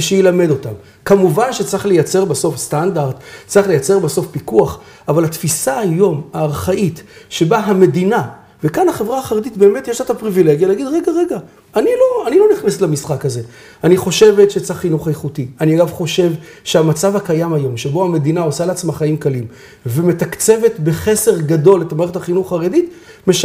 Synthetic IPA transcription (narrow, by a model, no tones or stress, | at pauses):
ʃejilame̞do̞tam | kamuvanʃet͡sʁiχlejat͡se̞ʁbeso̞fst̪andaʁdt͡sʁiχlejat͡se̞ʁbeso̞fpikuaχ | avalhatfisaːjo̞maːʁχaʔitʃebaɦame̞dina | vekanaχe̞vʁaːχaʁed̪itbe̞ːmetjeʃlatapʁivile̞ɡjaleaɡid̪ʁe̞ɡaʁe̞ɡaː | nilo̞anilo̞niχnes̬tlamisχakaze̞ | aniχo̞ʃe̞ve̞tʃet͡saχːinuχajeχutianiaɡavχo̞ʃe̞vʃeamat͡savakajamajo̞mʃebo̞ame̞d̪inao̞saleat͡smaχaimkalim | veme̞takt͡se̞ve̞tbe̞χe̞se̞ʁɡado̞letamaʁeχethaχinuχaʁedit | me̞ʃ